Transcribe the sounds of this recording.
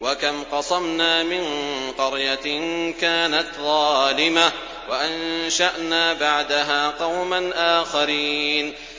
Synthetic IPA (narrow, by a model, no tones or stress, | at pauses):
wakamqɑsˤɑmnaːmɪnqɑɾjankaːnat̪ðˤɑːlɪma | waʔanʃaʔnaːbaʕd̪aɦaːqɑwmanʔaːxaɾiːn